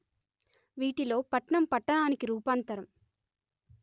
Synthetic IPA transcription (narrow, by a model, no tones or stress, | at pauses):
ʋiːʈilo̞ːpɐʈɳɐmpɐʈːɐɳaːnikiɾuːpaːnt̪ɐɾɐm